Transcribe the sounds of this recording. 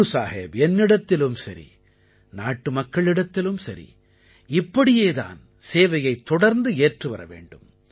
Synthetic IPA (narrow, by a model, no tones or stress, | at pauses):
saːɦḛːbɛnːɪɽɐt̪ːɪlɯmsɐɾḭ | naːʈːɯmɐkːɐɭɪɽɐt̪ːɪlɯmsɐɾḭ | ɪpːɐɽɪjeːða̰ːn | seːʋɐjɐɪt̪ːɔɽɐɾnd̪ɯeːʈrɯʋɐ̰ɾɐ̰ʋḛːɳɖɯm